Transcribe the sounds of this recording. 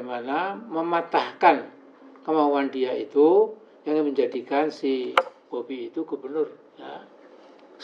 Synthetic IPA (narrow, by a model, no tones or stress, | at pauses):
manaməmat̪ahkan | kəmauandiait̪u | jaŋməɲd͡ʒadikansikobiːt̪uɡubərnʊr | ja